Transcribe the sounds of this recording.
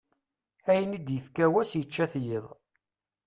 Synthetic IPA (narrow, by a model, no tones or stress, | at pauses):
æjnid̪jəfkæwæsjət͡ʃːæθjɪðˤ